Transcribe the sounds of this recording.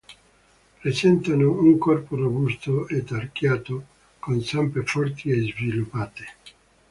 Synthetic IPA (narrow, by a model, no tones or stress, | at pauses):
pɾesɛnt̪anouŋkɔrporobust̪oet̪arkjaːt̪o | konsampefɔrt̪iezvilupːaːt̪e̥